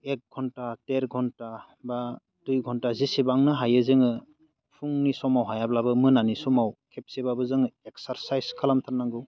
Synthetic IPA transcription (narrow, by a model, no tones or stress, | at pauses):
ek̚ɡʱɔntateɾɡʱɔnta | ba | dujɡʱɔntazisibaŋnɯɦajɯzeŋɯ | pʰuŋnisɔmawɦajablabɯmɯnanisɔmawkʰep̚sebabɯzɯŋɯek̚saɾsajzkʰalamtʰanːaŋɡɯw